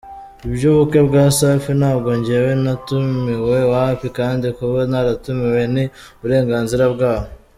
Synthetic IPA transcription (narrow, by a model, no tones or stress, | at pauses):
ibɟoβukebɡaːsafinaːbɡo̞ɲɟewenatumiwe̞waːfikaːndikuanaɾatumiwe̞ni | βuɾe̞ːŋɡaːnziɾabɡaːho